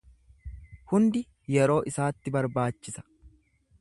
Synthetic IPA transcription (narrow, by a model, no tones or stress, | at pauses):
hʊnd̪ɪ | jɛɾo̞ːʔɪsaːt̪ːɪbɐɾbaːt͡ʃːɪsɐ̥